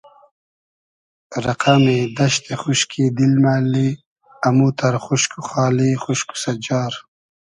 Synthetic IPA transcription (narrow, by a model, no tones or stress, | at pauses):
ɾɐqamed̪ɐʃt̪eχuʃkʰid̪ilmaːli | ɐmut̪ɐɾχuʃkuχɑːlixuʃku̥sɐd͡ʑɑːɾ